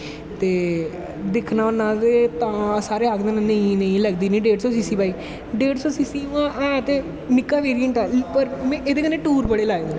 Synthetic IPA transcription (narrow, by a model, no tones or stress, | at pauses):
t̪eː | d̪ɪkʰnaːʊnãːd̪eːt̪ãːsaːɾeːaːkd̪eːnãnə̃ĩːnəĩːləɡd̪iːnĩːɖeːɖsɔːsiːsiːbaːiː | ɖeːɖsɔːsiːsiːãːʔɛ̃ːt̪eː | mɪkːaːʋeːɾijəɳʈɛːpəɾmɛ̃ːʔeːd̪eːkənẽːʈuːɾbəɽeːlaːeːd̪ẽ